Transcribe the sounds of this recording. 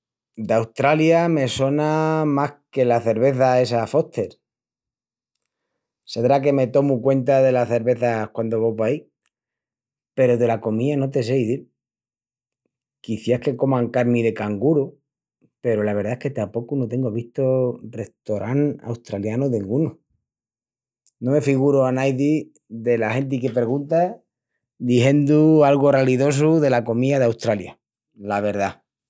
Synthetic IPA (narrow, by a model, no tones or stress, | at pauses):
d̪awst̪ɾaljame̞so̞namahke̞laθe̞ɾβ̞e̞θae̞safo̞ht̪e̞ɾ | seðɾak̬e̞me̞t̪o̞mukwe̞nt̪aðe̞laθe̞ɾβe̞θakwand̪o̞βopai | pe̞ɾoðe̞lako̞miano̞t̪e̞s̬e̞iðiɾ | kiθjahke̞ko̞mãŋkaɾmiðe̞kaŋɡuɾo | pe̞ɾolaβ̞e̞ɾðaehke̞t̪apo̞kunot̪e̞ŋɡoβiht̪ore̞ht̪o̞ɾʔaŋa̰wst̪ɾaljanoðeŋɡuno | nome̞fiɣuɾoanajði | ðelahe̞nt̪̬ike̞peɣunt̪a | d̪iɦe̞nd̪ualɣ̞oraliðo̞s̬uðe̞lako̞miaðeawst̪ɾalja | laβ̞e̞ɾða